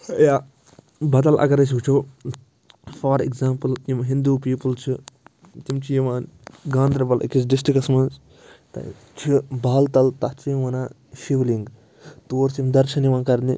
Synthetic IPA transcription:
jaː | bɐd̪ɐlʔɐ̰ɡɐɾɐs̬ɦut͡ʃʰoː | faɾḭɡzaːmpɨljimɦind̪uːpiːpɐlt͡ʃʰi | t̪imt͡ʃʰijimaːnɡãːnd̪ɾɐbɐlʔḭkisɖɪs̬ʈɾikɐsmɐnz | t̪ɐ̰ | t͡ʃʰibaːlt̪ɐlt̪ɐt͡ʃʰijiʋɐnaː | ʃiʋliŋɡ | t̪oːɾsjimd̪ɐɾʃɐniʋãːnkɐɾni

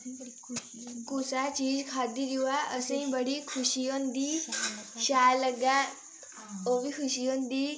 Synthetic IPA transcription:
kusat͡ɕiːd͡zkʰad̪id̪iʋaʔəsə̃ĩbəɽikʰuɕijond̪i | ɕaləɡã | oʋikʰuɕijond̪iː

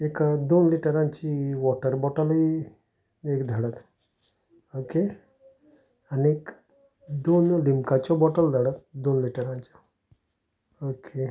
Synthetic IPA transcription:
ekd̪onliʈəɾãɲt͡ɕiːʋɔʈəɾbɔʈəli | ekd̪ʱəɽət̪ | oke | aniek | d̪onlimkat͡ɕɔbɔʈəld̪ʱəɽət̪d̪onliʈəɾãɲt͡ɕɔ | okʰe

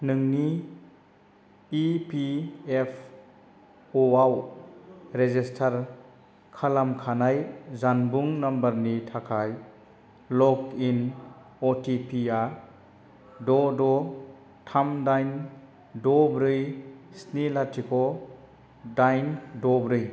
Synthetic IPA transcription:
nɯŋni | piepʰ | ɔaw | ɾezistʰaɾ | kʰalamkʰanajzanbuŋnambaɾnitʰakʰaj | lɔkin | ɔtʰipʰia | dɔdɔ | tʰamdajn | dɔbɾɯjsnelatikʰɔ | dajndɔbɾɯj

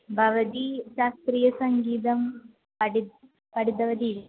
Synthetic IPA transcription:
bʱɐʋɐt̪iʃaːst̪ɾijɐsɐŋɡiːt̪ɐm | pɐɽi | pɐɽid̪ɐʋɐd̪i

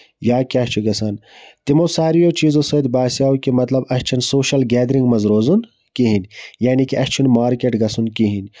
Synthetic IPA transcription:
jaːkʲaːst͡ʃʰuɡɐsaːnt̪imosaːɾijoːt͡ʃiːzosod̪baːsjaːukimɐt̪lɐbɐst͡ʃʰɐnsoːʃɐlɡɛːd̪ɾiŋɡmɐzɾoːzun | kiɦinʲjaːnikiʔɐst͡ʃʰunmaːɾkʲeʈɡɐsunkiɦinʲ

